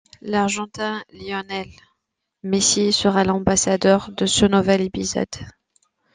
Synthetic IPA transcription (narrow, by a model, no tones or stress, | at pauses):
laʁʒɑ̃t̪ɛ̃ljɔnɛl | mesisəʁalɑ̃basad̪œʁd̪əsənuvɛlepizɔ̰d̪̥